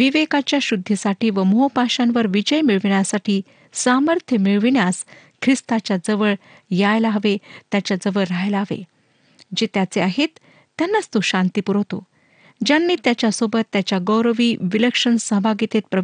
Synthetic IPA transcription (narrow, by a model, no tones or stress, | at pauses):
ʋiʋekat͡ɕjaɕud̪ʱːisaʈiːʋəmoɦopaɕãnʋəɾʋid͡ʑəjmiɭʋɳjasaʈʰiː | saməɾt̪ʰjəmiɭʋɳjas | kʰɾist̪at͡ɕjad͡zəʋəɭ | jajlaɦəʋet̪jat͡ɕjad͡zəʋəɭɾajlaɦəʋḛ | d͡ʑet̪jat͡seaɦet̪ː | janːat͡st̪oɕãnt̪ipuɾɦot̪o̰ | d͡ʑanːiːt̪jat͡ɕjasobət̪ːjat͡ɕjaɡəwɾəʋiːʋiləkʂənsəɦbʱaɡit̪et̪̚pɾə